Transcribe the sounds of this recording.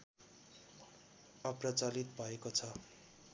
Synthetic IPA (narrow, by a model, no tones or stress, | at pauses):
ʌprʌt͡salit̪bʱʌekot͡sʰʌ